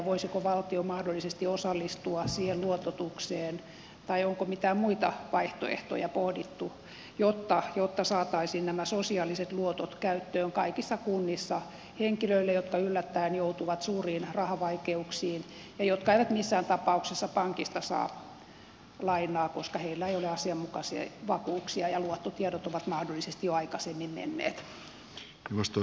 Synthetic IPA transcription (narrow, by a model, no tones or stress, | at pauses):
ʋoisikoʋɑlt̪iomɑhdolːˑisest̪iosɑlːist̪uɑsiːhelluot̪ot̪ukseːn | t̪ɑioŋkomit̪æːmmuit̪ɑʋɑiht̪o̰ḛht̪o̰jɑpohdit̪ːu | jot̪ːɑjot̪ːɑsɑːt̪ɑisiːnnæmæsosiɑliset̪luot̪ot̪kæyt̪ːøːŋkɑikisːɑkunːisːɑ | heŋkiløilːejot̪kɑylːæt̪ːæinjout̪uʋɑt̪suːriːnrɑhɑʋɑikeuksiːn | jɑjot̪kɑeiʋæt̪misːæːnt̪ɑpɑuksesːɑpɑŋkist̪ɑsɑ̰ː | lɑinˑɑːkoskɑheilːæeijoleɑsiɑmmukɑsiɑ̰ʋɑkuːksiɑjɑluot̪ːot̪iɛdot̪oʋɑt̪mɑhdolːisest̪ijoɑikɑsemːimmḛnːḛːt̪ | iʋost̪o